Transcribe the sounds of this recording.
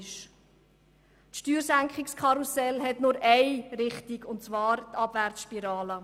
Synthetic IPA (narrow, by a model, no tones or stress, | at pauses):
ʃ | t̪ʃtyːɾsæŋkχɪkskʰχɑɾusɛlɦɛtnʊɾʔɛɪɾɪχtikʊntt͡svɑːɾt̪ʰɑb̥væɾtsʃpiɾɑːlə